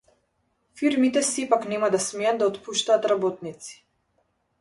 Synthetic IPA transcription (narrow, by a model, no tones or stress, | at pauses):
fiɾmit̪ɛsɛpaknɛmad̪asmɛjad̪̚d̪aɔt̪puʃt̪aːt̪ɾabɔt̪̚nit̪si̥